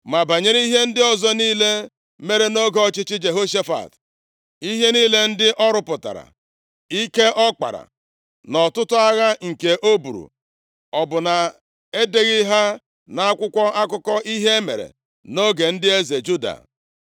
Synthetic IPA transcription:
ma˨ba˨ɲe˦ɾi˦ɦe˦n̩˦dɪ˦ɔ˨zɔ˦niː˦le˦ | me˦ɾe˨no˦ɡɔ˦t͡ʃɪ˦t͡ʃɪ˦d͡ʒe˨ɦo˦ʃe˦fa̰˨t | i˦ɦe˦niː˦le˦n̩˦dɪ˦ʔɔ˦ɾʊ˦pʊ˨ta̰˨ɾa̰˨ | i˦ke˦ʔɔ˦k͡pa̰˨ɾa̰˨ | nɔ˨tʊ˦tʊ˦a˦ɣa˦ŋ̩˨ke˨ʔo˦bu˨ɾṵ˨ | ɔ˨bʊ˨na˨ | e˦de˦ɣi˦ɦa˦ | na˨a˦kʷʊ˦kʷɔ˦ʔa˦kʊ˦kɔ˦ʔi˦ɦe˦mḛ˨ɾḛ˨ | no˦ɡe˨n̩˦dɪ˦e˦ze˨d͡ʒu˦da̰˨

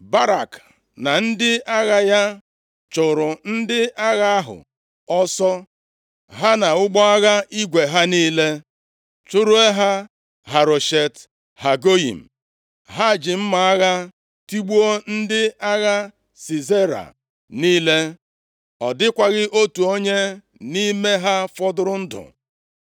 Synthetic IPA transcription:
ba˦ɾa˨k | na˨n̩˦dɪ˦a˦ɣa˦ja˦ | t͡ʃʊ˨ɾʊ˨n̩˦dɪ˦ʔa˦ɣa˦ɦʊ̰˨ | ɔ˦sɔ˦ | ɦa˦na˨ʊ˦ɡ͡bɔ˦a˦ɣa˦i˦ɡʷe˨ɦa˦niː˦le˦ | t͡ʃʊ˦ɾʊ˦e˦ɦa˦ | ɦa˨ɾo˨ʃe˨t | ha˨ɡo˦ḭ˨m̩˨ | ɦa˦˨d͡ʒɪ˨m̩˦ma˨a˦ɣa˦ | ti˦ɡ͡bu˦o˦n̩˦dɪ˦a˦ɣa˦ | si˨ze˦ɾa̰˨ | niː˦le˦ | ɔ˨dɪ˦kʷa˦ɣɪ˦ʔo˦tu˨o˦ɲe˦ | ni˦me˦ɦa˦fɔ˦dʊ˦ɾʊ˦n̩˦dʊ̰˨

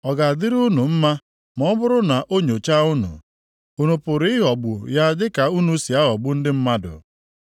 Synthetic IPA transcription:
ɔ˨ɡa˨a˨dɪ˦ɾu˦nu˨m̩˦ma˦ | mɔ˨˦bʊ˦ɾʊ˦na˨ʔo˦ɲo˨t͡ʃa˦u˦nṵ˨ | u˦nu˨pʊ˨ɾɪ˦ɪ˦ɦɔ˨ɡ͡bʊ˨ja˦dɪ˦ka˨u˦nu˨˦si˨a˦ɦɔ˨ɡ͡bʊ˦n̩˦dɪ˦m̩˦ma˦dʊ̰˨

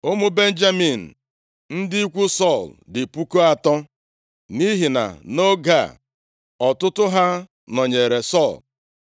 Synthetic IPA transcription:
o˦mʊ˦be˦n̩˦d͡ʒa˦mi˨n̩˨ | n̩˦dɪ˦i˦kʷu˦sɔ˦˨ldɪ˨pu˦ko˦a˨tɔ˦ | ni˦ɦi˨na̰˨no˦ɡa̰˦˨ | ɔ˨tʊ˦tʊ˦ɦa˦ | nɔ˨ɲe˨ɾe˨sɔ˦˨l

